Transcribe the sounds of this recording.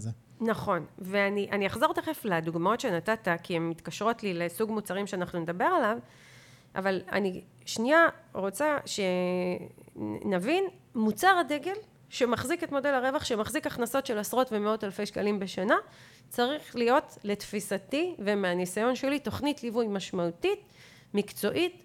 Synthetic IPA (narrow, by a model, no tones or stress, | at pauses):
naχo̞nveaniʔaniaχzo̞ʁt̪eχefladuɡmao̞tʃe̞natatakiemːitkaʃʁo̞tlilesuɡmut͡saʁimʃeanaχnuned̪abe̞ʁalav | ʔa̰vala̰ni | ʃniaʁo̞t͡saʃe̞ | navin | mut͡saʁade̞ɡe̞l | ʃemaχziketmo̞de̞laʁe̞vaχʃemaχzikaχnaso̞tʃe̞lasʁo̞tve̞meo̞talfe̞jʃkalimbe̞ʃana | t͡saʁiχlijo̞tle̞tfisativemeanisajo̞nʃe̞lito̞χnitlivujmaʃmautit | mikt͡so̞ʔit